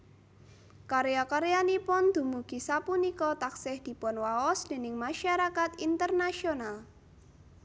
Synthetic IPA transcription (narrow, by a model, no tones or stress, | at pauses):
kaɾejakaɾejanipʊnd̪̥ṳmuɡ̥i̤sapunikɔt̪aksɪhd̪̥i̤pɔnwaɔsd̪̥e̤nɪŋmaʃaɾakat̪int̪ərnaʃional